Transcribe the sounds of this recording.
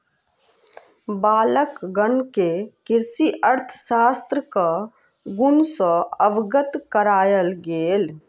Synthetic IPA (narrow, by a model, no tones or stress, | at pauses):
baːləkɡənkekɪɾsiʔəɾt̪ʰə̥saːst̪ɾəka | ɡʊnsɔəʋɡət̪kəɾaːjəlɡeːl